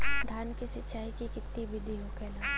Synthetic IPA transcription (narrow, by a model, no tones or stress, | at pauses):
d̪ʱaːnkisɪt͡ʃaːikikɪt̪ːibɪd̪ʱiɦoːkɛːlaː